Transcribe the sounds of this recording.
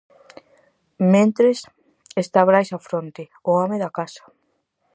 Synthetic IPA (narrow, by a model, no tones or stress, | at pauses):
mẽnt̪ɾes | est̪aβɾajsafɾont̪e | oomeðakasḁ